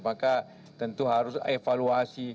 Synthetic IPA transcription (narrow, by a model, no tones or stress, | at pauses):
maka | t̪ənt̪uɦaɾʊsefaluasi